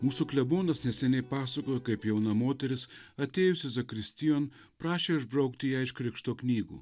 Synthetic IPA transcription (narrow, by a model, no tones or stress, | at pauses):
muːsuklʲɛboːnɐsnʲɛsʲɛnʲɛɪpɑːsɐkoːjokɐɪpjɛʊnɐmoːt̪ʲɛɾʲɪsɐt̪ʲeːjʊsʲɪzɐkɾʲɪsʲt̪ʲɪjoːn | pɾɑːʃʲeːɪʒbɾɐʊkt̪ʲɪjæːɪʃkɾʲɪkʃt̪oːknʲiːɡṵː